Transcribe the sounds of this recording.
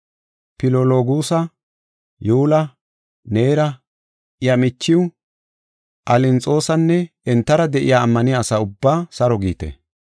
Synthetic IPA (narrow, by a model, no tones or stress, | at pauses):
pɪloloːɡuːsɐ | juːlɐ | ne̞ːɾɐ | ɪjɐmɪt͡ʃːɪw | ʔɐlɪnt͡sʼo̞ːsɐnːɛ | ɛnt̪ːɐɾɐd̪ɛʔɪ̰jaːmːɐnɪjaːsɐʊbːaːsɐɾɔɡiːt̪ɛ̰